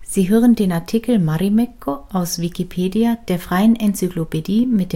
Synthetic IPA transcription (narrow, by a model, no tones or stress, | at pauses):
z̥iːɦøːʁ̞əndeːnaɐtʰikl̩maʁimɛkʰːoʔaʊsv̥ikipʰeːdiad̥eːɐfʁ̥aɪənʔɛnt͡syklopediːmɪt̚d̥eː